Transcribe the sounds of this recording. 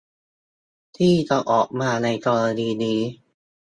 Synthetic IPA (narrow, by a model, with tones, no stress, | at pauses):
t̪ʰiː˥˩t̪ɔ˧˩ŋʔɔː˨˩k̚maː˧na˧jkɔː˧ɾaː˧niː˧niː˦˥